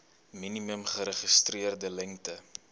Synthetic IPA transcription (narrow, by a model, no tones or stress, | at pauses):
miniməmχəɾəχistriərdəlɛŋtə